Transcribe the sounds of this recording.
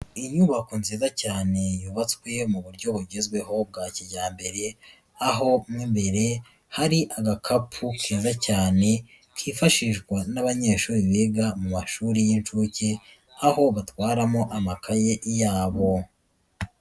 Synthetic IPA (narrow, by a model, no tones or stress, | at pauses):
iɲuβakonziːzacaːne̞juːβat͡swe̞muβuɾɟo̞βuɾɟezɡwe̞ɦo̞b̚ɡaːciɟaːmbe̞ɾe̞ | aɦo̞mŋiːmbe̞ɾe̞ | haɾiʔaɡakʰapʰukiːzacaːne̞ | kʰiːfaʃiʒɡwanaβaɲe̞ːʃuːɾiβeːɡamumaʃuːɾijint͡ʃuːce | aɦo̞βatwaːɾamo̞ʔamakʰajeʔjaːβo̞